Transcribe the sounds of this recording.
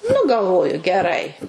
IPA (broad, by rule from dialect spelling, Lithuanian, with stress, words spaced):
nʊ ɡɐlˠˈʋoːjʊ ɡʲɛˈrɐɪ